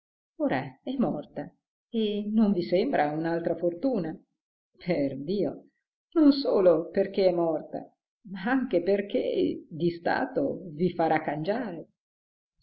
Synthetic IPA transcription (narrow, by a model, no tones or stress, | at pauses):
oːɾaɛmːɔrt̪a | enːoɱvisembɾʔaunalt̪ɾafort̪uːna | pʰerd̪iːo | nonsoːloperk̟eɛmːɔrt̪a̰ | maaŋkeperk̟ḛd̪ist̪a̰ːt̪o̰vifaɾʔakːand͡ʒaːɾe